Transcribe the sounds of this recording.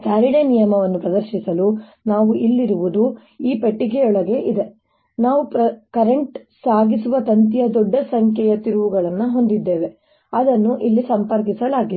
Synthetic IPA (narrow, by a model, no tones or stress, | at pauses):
saːɾiɳenijɐmɐʋɐnːupɾɐd̪ɐɾʃisɐlu | naːʋuʔilːiɾuʋud̪u | iːpɐʈːik̬ɛjɔɭɐɡe̞ʔid̪e̞ | naːʋupɾɐkɐɾeɳʈsaːɡisuʋɐt̪ɐnt̪̬ijɐd̪ɔɖːɐsɐŋkʰjɛjɐt̪iɾuʋuɡɐɭɐnːɐɦo̞nd̪id̪ːeːʋe̞ | ɐd̪ɐnːuʔilːisɐmpɐɾk̬isɐlaːɡi